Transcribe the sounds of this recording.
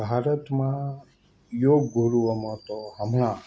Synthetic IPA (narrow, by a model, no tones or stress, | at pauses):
bʱaɾət̪mã | joɡɡuɾuʋəmə̃t̪oɦəmɽ̃ã